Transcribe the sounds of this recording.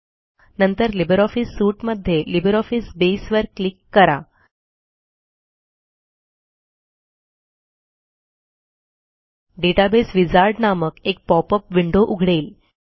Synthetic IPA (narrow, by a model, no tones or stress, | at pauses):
nənt̪əɾlibəɾɔfisːuːʈməd̪ʱːjelibəɾɔfisbesʋəɾkːlikːəɾa | ɖeʈabesʋid͡zaɾɖnaməkek̚pɔpəpʋiɳɖoʔuɡʱɽeːl